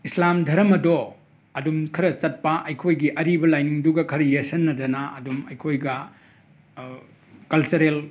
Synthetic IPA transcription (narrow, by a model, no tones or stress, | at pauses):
islamdʱɐɾɐmɐdo | ɐdumkʰɐɾɐt͡ʃɐt̚pɐʔɐjkʰojɡiʔɐɾibɐlajniŋduɡɐkʰɐɾɐjesɐnːɐdɐnaɐdumɐjkʰojɡɐ | kɐlt͡ʃɐɾel